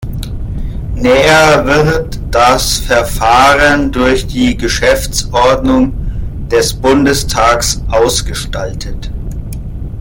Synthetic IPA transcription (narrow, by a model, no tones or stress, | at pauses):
nɛːɐvɪʁtd̥asfɛɐfaːʁəndʊɐçd̥iːɡəʃɛft͡sʔɔɐdnʊŋd̥ɛsb̥ʊndəstʰaːksʔaʊsɡ̥əʃtaltʰət